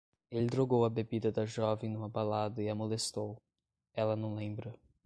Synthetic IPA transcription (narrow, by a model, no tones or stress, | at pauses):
elɪd̪ɾoɡowɐbebid̪ɐd̪ɐʒɔvẽj̃nũmɐbalad̪ɐɪɐmolest̪ow | ɛlɐnɐ̃w̃lẽmbɾɐ